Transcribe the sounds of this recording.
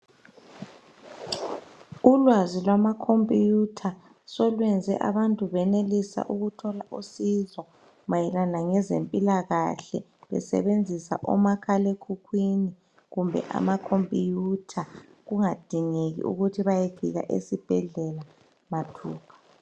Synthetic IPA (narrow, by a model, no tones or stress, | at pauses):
ulwazilwamakʰompʼijutʰa | sɔlwɛnd͡zʱɛ̰ʔa̰βantʼuβɛnelisa̰ʔuɣutʰɔlaʔusizɔ | majɛlanaŋɛzempʼilaɣaɬɛ | βɛ̰sɛ̰βend͡zʱisa̰ʔɔ̰makʰalekʰukʰwini | ɣumbʱɛ̰ʔa̰makʰompʼijutʰa | ɣuŋad̥ʱiŋeɣḭʔṵɣutʰiβajefḭɣa̰ʔḛsib̥ʱɛɮɛla | matʰṵːpʰḁ